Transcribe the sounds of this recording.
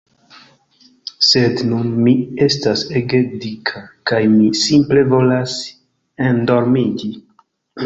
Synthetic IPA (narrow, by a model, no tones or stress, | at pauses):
se̞dnunmie̞staseɡedikʰakajmisimple̞vo̞las | endo̞ɾmid͡ʒi